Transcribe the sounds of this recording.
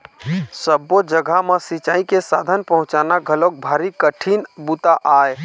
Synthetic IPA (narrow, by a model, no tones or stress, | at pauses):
səbod͡ʒəɡʱamesit͡ʃaːikesaːd̪ʱənpəɦʊ̃t͡ʃaːnaɡʱəlok̚bʱaːɾikəʈʰinbut̪aʔaːe